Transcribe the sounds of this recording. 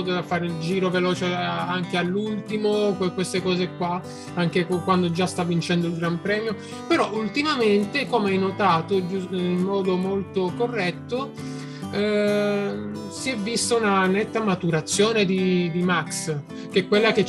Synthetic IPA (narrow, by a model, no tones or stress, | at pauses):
t̪oafːaːɾeild͡ʒiːɾovelɔːt͡ʃeaŋkealːult̪imokokwest̪ekɔːzekwa | aŋkekwand̪od͡ʒast̪avːint͡ʃɛnd̪oilɡɾampɾɛːmjo | peɾɔʔult̪imament̪ekomeajnot̪aːt̪od͡ʒuinːɔːd̪omolt̪okorːɛt̪ːo | siɛvːist̪aunanɛt̪ːamat̪uɾat̪sːjɔːned̪id̪imaks | kɛkːwelːaket͡ʃ